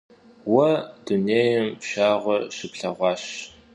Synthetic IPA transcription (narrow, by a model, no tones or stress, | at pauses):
wɐd̥uneːjɐmpɕaːʁʷɔʃɪpɬɐʁʷɑːɕ